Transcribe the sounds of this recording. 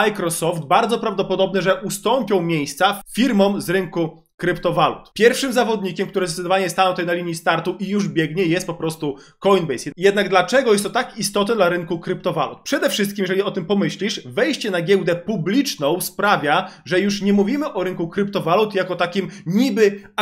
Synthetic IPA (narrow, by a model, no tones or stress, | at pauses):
ajkɾɔsɔfd̪baɾd̪zɔpɾavd̪ɔpɔd̪ɔbnɘʐɛʔust̪ɔmpʲjɔ̃w̃mʲjejst̪saffʲiɾmɔmzɾɘŋku | kɾɘpt̪ɔvalṵt̪pʲjɛɾfʂɘmzavɔd̪ɲikʲɛmkt̪uɾɛzd̪ɛt̪d̪ɔvaɲɛst̪anɔw̃t̪ɛjnalʲiɲist̪aɾt̪uʔijuʐbʲjɛɡɲɛjɛst̪̚pɔpɾɔst̪u | kɔinbɛjsjɛd̪naɡd̪lat͡ʂɛɡɔjɛst̪ːɔt̪akist̪ɔt̪ɛd̪laɾɘŋkukɾɘpt̪ɔva̰lṵt̪̚pʂɛd̪ɛfʂɘst̪̚kʲimjɛʐɛliɔt̪ɘmpɔmɘɕlʲiʂvɛjɕt͡ɕɛnaɡʲjɛwd̪ɛpublʲit͡ʂnɔ̃w̃spɾavʲjaʐɛjuʂɲɛmuvʲimɘʔɔɾɘŋkukɾɘp̚t̪ɔvalut̪jakɔt̪akʲimɲibɘ